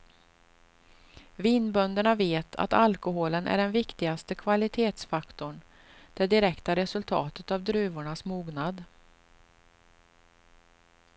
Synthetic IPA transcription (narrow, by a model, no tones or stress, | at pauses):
viːnbœnd̪əɳaveːt̪ʰa̰t̪alkʊɦoːlənʔæ̰ɖɛnvɪkt̪ɪɡast̪əkʰvalɪt̪ʰeːt̪sfakt̪ɔɳ | d̪̥ɛd̪ɪɾɛkt̪aɾɛsɵlt̪ʰɑ̰ːt̪ət̪avd̪ɾʉ̟ːvʊɳasmuːɡnad̪